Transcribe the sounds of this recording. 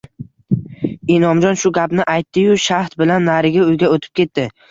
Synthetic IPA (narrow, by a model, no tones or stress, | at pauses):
inɒmd͡ʒɒnʃʊɡʲapnɪʔajt̪ːɪjʊʃaht̪̚bɪlanːaɾɪɡʲaʊjɡʲaot̪ʰɪ̥p̚kʲʰe̞t̪ːɪ